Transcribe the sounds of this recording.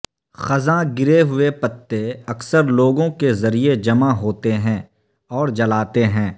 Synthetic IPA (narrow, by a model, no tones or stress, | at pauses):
xɐzãɡɪɾeɦʊepɐt̪ːeɐksəɾloːɡõkezɐɾied͡ʒɐmaɦoːt̪eɦɛ̃ː | ɔːɾd͡ʒɐlaːt̪eɦɛ̃ː